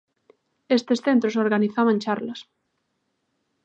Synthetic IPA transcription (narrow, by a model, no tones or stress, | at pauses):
est̪esθent̪ɾosoɾɣaniθaβant͡ʃaɾlɐs